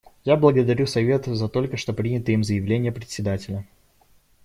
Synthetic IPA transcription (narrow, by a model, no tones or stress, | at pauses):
jablˠəɡəd̪ɐɾʲusɐvʲe̞t̪ʊzɐt̪o̞lʲkəʂt̪o̞pɾʲinʲɪt̪əimzəjɪvlʲenʲɪjəpɾʲɪt̪ʲsʲɪd̪atʲɪlʲə